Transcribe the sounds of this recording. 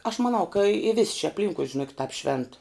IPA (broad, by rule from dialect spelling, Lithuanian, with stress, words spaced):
ɐʃ mɐˈnɐʊ kɐ ɪ ʋʲɪsʲ t͡ʃʲɪ ɐpʲˈlʲɪŋkʊɪ ʒʲɪˈnoːkʲɪt tɑːp ʃʲʋʲɛnt